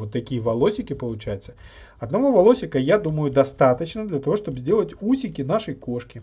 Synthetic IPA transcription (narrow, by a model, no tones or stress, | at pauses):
ot̪ːɐkʲijəvɐlˠosʲɪkʲɪpəlˠʊt͡ɕajɪt̪sə | ɐd̪nɐvovɐlˠosʲɪkəjad̪uməjʊd̪ɐst̪at̪ət͡ɕnəd̪lʲɐt̪ɐvo̞ʂt̪o̞bzʲdʲe̞lˠətʲusʲɪkʲɪnaʂəjko̞ʂkʲɪ